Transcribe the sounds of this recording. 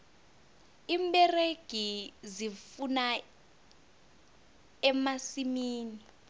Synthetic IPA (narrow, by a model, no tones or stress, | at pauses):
imɓɛreɡ̥ʱizifuna | ɛmasimiːni